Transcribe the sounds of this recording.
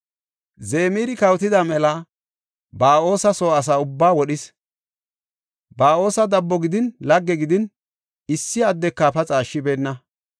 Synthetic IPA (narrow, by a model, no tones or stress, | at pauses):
zeːmiːɾɪkɐwt̪ɪd̪ɐmɛlɐ | baːo̞ːsɐsoːɐs̬aːʊbːaːwɔɗɪs | baːo̞ːsɐd̪ɐbːɔɡɪd̪ɪnlɐɡːɛɡɪd̪ɪn | ɪsːɪɐd̪ːɛkːapɐt͡sʼaːʃːɪbeːnːɐ